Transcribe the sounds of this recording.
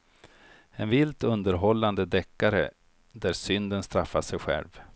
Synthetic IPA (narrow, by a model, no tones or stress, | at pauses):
ɛnvɪlt̪ɵnd̪əɾɦɔlːand̪əd̪ɛkːaɾə̰ | d̪æɾsʏnd̪ənst̪ɾafːaʂɛjɧɛ̰lv